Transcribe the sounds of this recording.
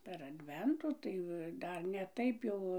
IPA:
pʲɛr ɐdʲˈʋʲɛntʊ ˈtɐɪ ʋɐ ˈdɐr nʲɛ ˈtɐɪp jɛʊ

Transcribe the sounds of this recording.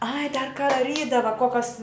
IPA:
ɐɪ dɐr kɐ dɐˈrʲiːdɐʋɐ ˈkoːkɐs

